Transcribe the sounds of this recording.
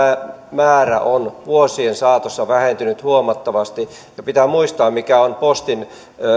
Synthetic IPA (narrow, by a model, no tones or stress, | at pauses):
mæːræ̰ʔonʋuosiensɑːt̪osːɑʋæhent̪ynyt̪huomɑt̪ːɑʋɑst̪i | jɑpit̪æːmuist̪ɑːmmikæonpost̪in